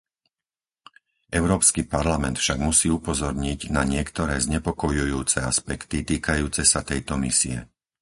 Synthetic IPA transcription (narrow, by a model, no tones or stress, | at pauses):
ʔɛʊɾɔːpskipaɾlamɛnt̪fʃaɡmusiːupɔzɔɾɲiɟnaɲɪɛkt̪ɔɾɛːzɲɛpɔkɔjujuːt͡sɛaspɛkt̪it̪iːkajuːt͡sɛsat̪ɛjt̪ɔmisiɛ̰